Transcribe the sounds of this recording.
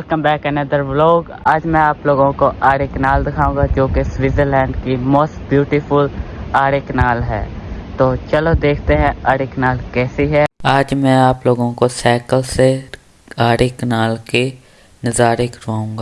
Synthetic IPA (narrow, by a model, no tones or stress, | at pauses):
ɛlkə̃mbɛːkɛnɐd̪əɾbloːɡ | aːd͡ʒmɛ̃aːploːɡõkoʔaːɾɪknaːld̪ɪkʰaːũːŋɡad͡ʒoːkeswiːzəɾlɛ̃ːɳɖkimoːsʈbjuːʈifʰʊlaːɾɪknaːlɦɛ̰ːt̪oːt͡ʃɐlod̪eːkʰt̪eɦɛ̃aːɾɪknaːlkɛːsiɦɛːaːd͡ʒmɛ̃aːploːɡõkosɛːkəlse | aːɾɪknaːlke | nɐzaːɾekɾaːũːŋɡaː